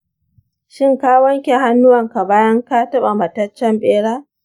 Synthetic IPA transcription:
ʃɪ˦ŋkaː˦wɐ˦ŋkʲe˨ɦa˦nːʊ˦wɐ˨ŋka˨baː˦jɐ˦ŋka˦tɐ˦ɓa˨mɐ˨tɐ˦t͡ʃːɛ˦mɓeː˦ɽaː˦

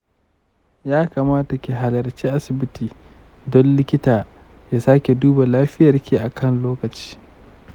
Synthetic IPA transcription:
jaː˦kaː˨maː˦ta˨kʲi˨ɦa˨lɐ˨rt͡ʃiː˦ʔa˦sɪ˨bɪ˦tiː˨ | dɔ˦nlɪ˦kʲɪ˦taː˨ | jaː˦saː˦kʲe˨duː˦ba˨laː˦ɸɪ˦jɐ˨rkʲiː˨ʔa˨kʰɐ˦˨nloː˦kɐ˨t͡ʃi̥ː˦

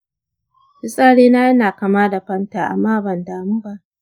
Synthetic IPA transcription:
bɪ˦sʼaː˦ɽeː˦naː˦jɐ˦naː˨ka˨maː˦da˨ɸɐ˦ntaː˨ʔa̰˨mːaː˦bɐ˨ndaː˨mu˦ba˦ʔ

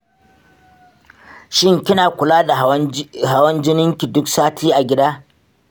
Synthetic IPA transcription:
ʃɪ˦ŋkʲɪ˦naː˨kʷʊ˨laː˦da˨ɦa˦wɐ˦nd͡ʒɪ˦nɪ˦ŋkʲi˨dʊ˦ksaː˦tʰiː˦ʔa˨ɡʲɪ˦daː˦

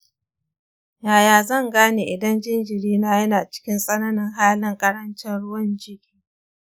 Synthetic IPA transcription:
jaː˨jaː˨zɐ˦˨ŋɡaː˦neː˨ʔɪ˨dɐ˦nd͡ʒɪ˦nd͡ʒɪ˨ɾiː˦naː˦jɐ˦naː˨t͡ʃɪ̥˦kʲɪ˦nsʼɐ˦nɐ˦nɪ˦ŋɦaː˦lɪ˦ŋkʼɐ˦ɽɐ˦nt͡ʃɪ˦nɽʊ˦wɐ˦nd͡ʒɪ˦kʲiː˦

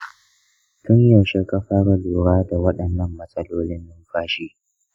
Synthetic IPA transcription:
tʊ˦ɲjɐ˨ʃe˦ka˦ɸaː˦ɽa˨luː˨ɽaː˦da˨wɐ˦ɗɐ˨nːɐ˦mːɐ˨sʼɐ˦loː˦lɪ˦nːɪ˦mɸaː˦ʃiː˦

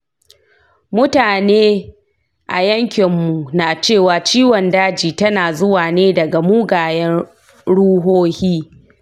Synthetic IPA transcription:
mʊ˦taː˨neː˦ | ʔa˨jɐ˦ŋkʲɪ˨mːu˨naː˨t͡ʃeː˦˨waː˨t͡ʃiː˦wɔ˨ndaː˦d͡ʒiː˨tɐ˦naː˨zʊ˦waː˨neː˦dɐ˨ɡa˨muː˦ɡaː˨jɛ˦n | ɽuː˦ɦoː˦hiː˦

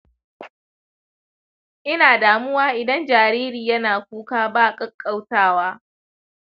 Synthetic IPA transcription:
ʔɪ˦naː˨daː˨mʊ˦waː˦ʔɪ˨dɐ˦nd͡ʒaː˨ɾiː˦ɾiː˨jɐ˦naː˨kʷuː˦kaː˦baː˦˨kʼɐ˦kʼːa˦wtaː˦waː˦

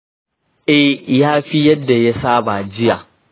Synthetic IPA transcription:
ʔɛ˦jaː˦ɸi˦jɐ˦dːa˨ja˦saː˦ba˨d͡ʒɪ˦jaː˨

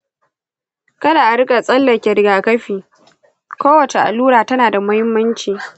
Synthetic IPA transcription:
kɐ˦da˨ʔa˨ɽɪ˦kʼa˨sʼɐ˦lːɐ˨kʲɛ˨ɾɪ˨˦ɡaː˨kɐ˦ɸiː˨ | kʷoː˦wɐ˨t͡ʃe˨ʔa̰˨luː˦ɽaː˨tɐ˦naː˨da˨mɐ˦hɪ˦mːɐ˦nt͡ʃiː˨

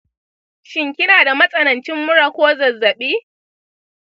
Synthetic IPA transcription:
ʃɪ˦ŋkʲɪ˦naː˨da˨mɐ˦sʼɐ˨nɐ˨nt͡ʃɪ˦mːʊ˦ɽa˨kʷoː˦zɐ˨zːɐ˨ɓiː˦

